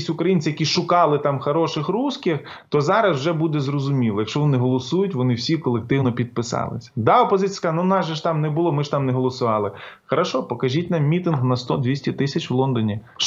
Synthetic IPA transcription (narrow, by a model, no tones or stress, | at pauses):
sʲʊkɾɐjint͡s̪ʲɪjɐkʲiʃʊkɑlˠɪt̪ɑmxɐɾɔʃɪxruskɪx | t̪ɔzɑɾɐswʒɛbud̪ɛzrɔzʊmʲilˠjɐkʃt͡ʃɔʋɔnɪɦɔlˠɔsujʊtʲʋɔnɪwsʲikɔlˠek̚t̪ɪwnɔpʲid̪̚pɪsɑ̰lˠɪ̰sʲɐ̥d̪ɑɔpɔzɪt͡sʲijsknunɑʒɛʃt̪ɑmnɛbʊlˠɔmɪʒt̪ɑmnɛɦɔlˠɔsʊʋɑlˠɪxɐɾɐʃɔpɔkɐʒʲitʲnɑmːʲit̪ɪnɦnɐst̪ɔd̪ʋʲisʲtʲɪt̪ɪsʲɐt͡ʃʋlˠɔnd̪ɔnʲi